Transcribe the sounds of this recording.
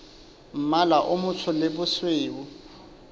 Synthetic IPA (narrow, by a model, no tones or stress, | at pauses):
m̩malaʔʊmʊt͡sʰʊlɪbʊsweːʊ